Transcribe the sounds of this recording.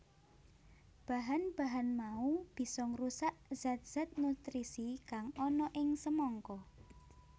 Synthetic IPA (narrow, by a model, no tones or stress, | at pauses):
b̥a̤ɦanb̥a̤ɦanmaub̥i̤sɔŋrusaʔz̥at̪̚z̥a̤t̪̚nut̪ɾisikaŋɔnɔʔɪŋsəmɔŋkɔ